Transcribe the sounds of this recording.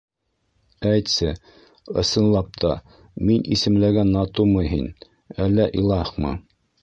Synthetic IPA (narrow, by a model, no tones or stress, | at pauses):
æjt̪sɘ | ɤ̰̆sɤ̆nlˠɑp̚t̪ʰɑ | minisɘ̆mlæɡænːɑt̪umɤɦin | ælːæʔilˠɑχmɤ̰